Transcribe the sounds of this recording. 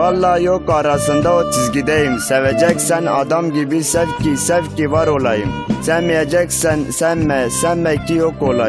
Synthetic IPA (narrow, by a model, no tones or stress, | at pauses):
ɑlːɑjokɑːɾɑsɨnd̪ɑot̪ʰizɡʲid̪ɛjimsɛvɛd͡ʒɛkʲsɛnɑ̰d̪ɑmɡʲibisɛvkʲisɛvkʲivɑɾolɑjim | sɛnmijɛd͡ʒɛkʲsɛnsɛnmɛsɛnːɛkʲijokolɑ